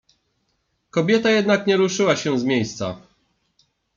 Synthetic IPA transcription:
kɔbʲjɛt̪ajɛd̪nakɲɛɾuʂɘwaɕɛ̃zmʲjejst̪sa̰

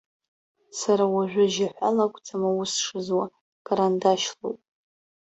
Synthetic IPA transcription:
saɾawaʒʷᶣʊʒaħʷa̰lakʷʼt͡sʰʼamawʊsʂɨzwa | kʼaɾandaʃlowpʼ

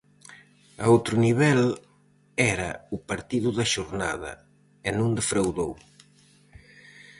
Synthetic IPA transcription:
a̰owt̪ɾʊniβɛl | ɛɾɐ̰upaɾt̪iðʊðɐʃoɾna̰ðɐ̰ | ɪnũnd̪efɾawðow

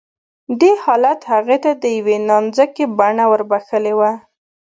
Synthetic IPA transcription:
d̪ehɑlat̪haɣet̪ad̪əjawenɑnzəkebaɳawəɾbaxəlewa

